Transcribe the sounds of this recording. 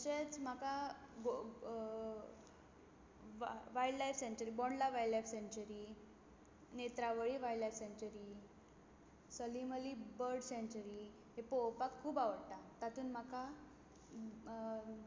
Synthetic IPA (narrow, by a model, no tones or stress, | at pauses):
əɕet͡sm̤akaɡo | ʋajɖlajfsẽɲt͡ɕəɾibɔɳɖlaʋajllajfsẽɲt͡ɕəɾi | net̪ɾaʋəɭiːʋaiɖlajfseɲt͡ɕəɾi | səliməliːbəɾɖsẽɲt͡ɕəɾi | ɦepowpakʰːuːbaʋəɽt̪at̪at̪uːnm̤akʰa